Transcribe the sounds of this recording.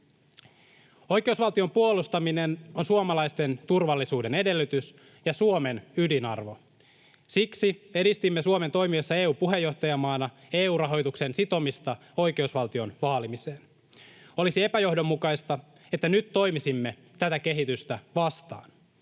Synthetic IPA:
o̞jke̞usʋɑlt̪io̞mpuolust̪ɑmine̞nonsuomɑlɑjst̪e̞nt̪urʋɑlːisuːde̞ne̞de̞lːyt̪ys | jɑsuome̞nydinɑ̰rʋo̞ | siksie̞dist̪imːesuome̞nt̪o̞jmiesːɑe̞ːuːpuɦe̞jːo̞ht̪ɑjɑmɑːnɑ | eːuːrɑɦo̞jt̪uksensit̪o̞mist̪ɑ | o̞jke̞usʋɑlt̪io̞nʋɑːlimiseːn | o̞lisie̞pæjo̞hdo̞mːukɑjst̪ɑ | e̞t̪ːænyt̪ːo̞jmisimːe̞ | t̪æt̪æke̞ɦit̪yst̪æʋɑst̪ɑ̰ːn

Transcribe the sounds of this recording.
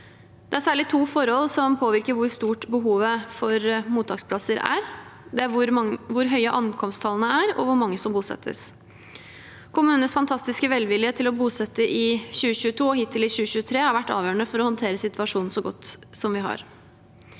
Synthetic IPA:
d̪̥ɛæɾsæːɭɪt̪ʰuːfɔɾhɔlsɔmpʰoːʋɪɾkəɾʋʊɾst̪uːʈbəɦuːʋəfɔɾmuːt̪ʰːɑːkspʰlɑsəɾæ̰ɾd̪ɛæɾʋʊɾʋʊɾɦœʏəʔɑnkʰɔmst̪ʰɑlənəæɾɔ̰ʋʊɾmɑŋːəsɔmbuːsɛ̰t̪ʰːə̰s | kʰʊmʉːnəsfɑnt̪ʰɑst̪ɪskəʋɛlʋɪljət̪ʰɪlɔbuːsɛt̪ːəʔɪɕʉːəɕʉːət̪ʰuːɔhɪt̪ʰːəlɪɕʉːəɕʉːət̪ʰɾeːhɑɾʋæʈːɑ̰ːʋjøːəɳəfɔɾɔhɔnt̪ʰeːɾəsɪt̪ʋɑʂuːn̩sɔɡɔt̪ːsɔmʋɪɦɑ̰ɾ

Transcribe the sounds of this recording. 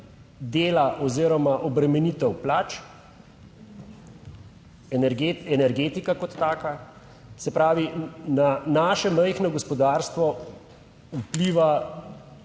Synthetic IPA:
d̪eːlaʔɔziɾɔmaʔɔbɾɛmɛnit̪ɛwplaːt͡ʃ | ɾɡɛnɛɾɡeːt̪ikakɔt̪ːaːka | sɛpɾaːʋinanaːʃɛməjxnɔɡɔspɔd̪aːɾst̪ʋɔ | upliːʋa

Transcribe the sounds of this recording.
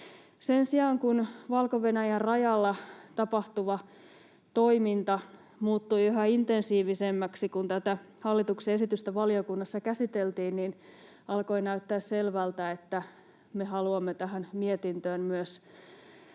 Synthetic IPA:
sensiɑːŋkunʋɑlkoʋenæjærrɑjɑlːɑt̪ɑpɑht̪uʋɑ | t̪oimint̪ɑ | muːt̪ːujiɦɑint̪ensiːʋisemːæksikunt̪æt̪æ | hɑlːit̪ukseesit̪yst̪æʋɑliokunːɑsːɑkæsit̪elt̪iːnnin | ɑlko̞inæyt̪ːæːsselʋælt̪æet̪ːæ | meɦɑluɑmːet̪æɦænmiet̪int̪øːnmyøs

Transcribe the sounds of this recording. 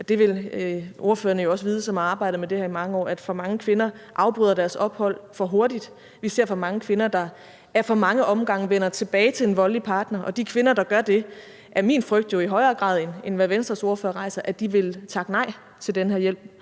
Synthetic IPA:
ɒ̽d̥e̝ʋe̝lo̝ɐfø̰ːɐnəjo̝ɒ̽sʋiːð̞ˠəsɒ̽mɑ̈ːb̥ɑ̈ɪ̰ɾ̥əmede̝hæɐimɑ̈ŋəɒ̰ːæd̥fɒ̽mɑ̈ŋəkʰʋe̝nɐʔɑ̈ʊb̥ʁyðˠɐd̥æɐsɒ̽b̥hɒ̽l̰fɒ̽ɦo̝ɐdid̥ | ʋise̝ɐ̰fɒ̽mɑ̈ŋəkʰʋe̝nɐd̥ɑ̈ | æɐfɒ̽mɑ̈ŋəʔɒ̽mɡ̥ɑ̈ŋ̰əʋenɐt͡sʰe̝b̥ɛːɪt͡sʰe̝le̝nʋɒ̽lipʰɑ̈ːd̥nɐʔɒ̽d̥ikʰʋe̝nɐd̥ɑ̈ɡ̥ɶɐd̥e̝ | ʔæɐmḭːnfʁœɡ̥̚d̥jo̝iɦɒ̽ɪɐːɡ̥ʁɑ̰̈ːðˠenenʋæʋensd̥ʁɐso̝ɐføːɐʁɑ̈ɪsɐʔæ̥d̥iʋe̝lt͡sʰɑ̈ɡ̥ənɑ̈ɪ̰ | t͡sʰe̝ldenɦeɐjel̰b̥̚

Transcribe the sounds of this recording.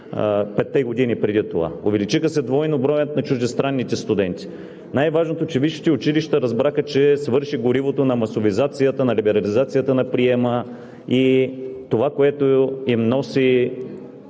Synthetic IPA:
pɛt̪ːɛɡod̪inipɾɛd̪it̪ova̰ovɛlit͡ʃixəsɛd̪vɔjnobɾɔjt̪nɐt͡ʃuʒd̪ɛst̪ɾanːit̪ɛst̪ʊd̪ɛnt̪ʲi̥ | najvaʒnot̪ot͡ʃɛviʃi̥t̪ɛʊt͡ʃiliʃt̪əɾɐzbɾaxət͡ʃɛsvɤɾʃiɡoɾivot̪onɐmɐsovizat̪sijət̪ənɐlibɛɾɐlizat̪sijət̪ənɐpɾiɛmə | it̪ovakoɛt̪oimnɔsi

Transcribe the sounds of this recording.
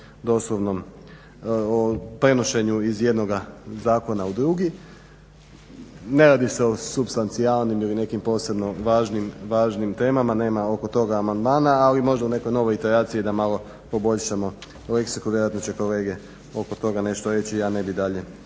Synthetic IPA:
d̪o̞slˠoʋno̞m | opɾe̞no̞ʃe̞ɲuizje̞d̪no̞ɡazaːko̞naud̪ɾuɡi | ne̞ɾaːd̪iseo̞supst̪ant̪sialˠnimiline̞kimpo̞ːse̞bno̞ʋaːʒnimʋaːʒnimt̪e̞ːmamane̞ːmao̞ko̞t̪o̞ɡaːmand̪maːnaːlimo̞ʒd̪aune̞ko̞jno̞ʋo̞it̪eɾaːt̪sijid̪amalˠo̞ | po̞bo̞ʎʃamo̞ | leksikuʋʲjeɾoat̪not͡ɕeko̞le̞ːɡe | o̞kot̪o̞ɡane̞ʃt̪oɾe̞t͡ɕiane̞bid̪aʎe̞

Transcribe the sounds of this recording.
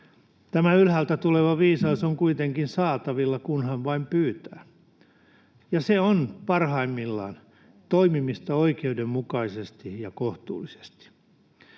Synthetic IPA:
t̪æmæylhælt̪æt̪uleʋɑʋiːsɑusoŋkuit̪eŋkinsɑːt̪ɑʋilːɑkunhɑnʋɑimpyːt̪æ̰ː | jɑseonpɑrhɑimːilːɑ̰ːn | t̪oimimist̪ɑoikeudemmukɑisest̪ijɑkoht̪ṵːlise̥st̪i̥

